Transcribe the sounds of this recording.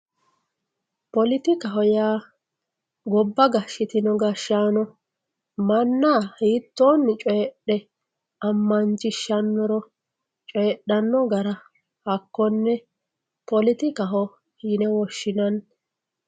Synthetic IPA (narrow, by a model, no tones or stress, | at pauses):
pɔlɪt̪ɪkɐɦɔjaː | ɡɔbːɐɡɐʃːɪt̪ɪnɔɡɐʃaːnɔ | mɐnːaːhiːt̪ːoːnːɪt͡ʃʼɔjɛɗɛ | ɐmːɐnt͡ʃʼɪʃːɐnːɔɾɔ | t͡ʃʼɔjɛɗːɐnːɔɡɐɾɐ | hɐkːɔnːɛ | pɔlɪt̪ɪkɐɦɔ | hɪnɛwɔʃːɪnɐn